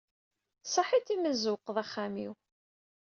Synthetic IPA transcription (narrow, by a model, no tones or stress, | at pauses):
sˤɑħit̪ːiməzuqːðˤæχːæmiw